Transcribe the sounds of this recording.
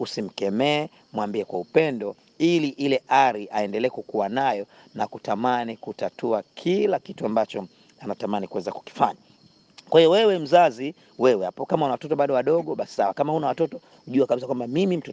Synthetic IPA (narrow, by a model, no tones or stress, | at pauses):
usim̩kɛmɛː | mwambiɛkwaupɛndɔ | iliʔilɛʔaɾiʔaɛndɛlɛɛkukuwanajɔ | nakutamanikutatuakʰilakituambat͡ʃɔ | anatamanikuwɛzaku̥ki̥faɲa | kwahijɔwɛwɛm̩zazi | wɛwɛhapɔkamaunawatɔtɔɓaɗɔwaɗɔɠɔɓasi̥sawakamahunawatɔtɔ | huʄuakaɓis̬akwambamimim̩tu